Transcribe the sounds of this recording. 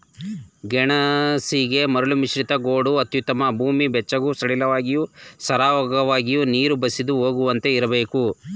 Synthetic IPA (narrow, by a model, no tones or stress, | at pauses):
ɡɛɳɐsiɡe̞mɐɾulumiʃɾit̪ɐɡoːɽuɐt̪jut̪ɐmɐbʱuːmibɛt͡ʃːɐɡusɐɽilɐʋaːɡijusɐɾaːʋɐɡɐʋaːɡijuniːɾubɐsid̪uɦoːɡuʋɐnt̪e̞iɾɐbeːku